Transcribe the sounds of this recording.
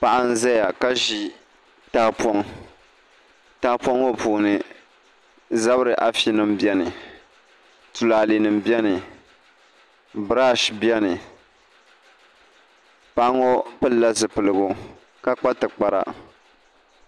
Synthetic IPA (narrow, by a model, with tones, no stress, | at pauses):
pa˨ʔa˦n̩˦za˦ja˨ka˦ʒi˨ | ta˨po˦ŋ | ta˨˦po˦ŋo˦pu˨nɨ˨ | za˦bɾɨ˨ʔa˨fi˦nɨ˨mbjɛ˦nɨ˨ | tu˨la˨li˨nɨ˨mbjɛ˦nɨ˨ | bɾa˦ʃbjɛ˦nɨ˨ | pa˨ʔa˦ŋo˦pɨ˦la˦zɨ˨pɨ˨lɨ˨ɡʊ˦ | ka˦k͡pa˦tɨ˨k͡pa˨ɾa̰˨